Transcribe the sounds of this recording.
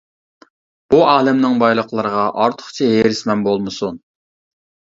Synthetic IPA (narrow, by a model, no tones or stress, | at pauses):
b̥uɑːlˠɪmnɪŋbɑjlˠəqlˠəɾəʁɑʔɑɾt̪ʰə̥χt͡ʃʰiɦeɾɪsmɛnbolˠmɨsun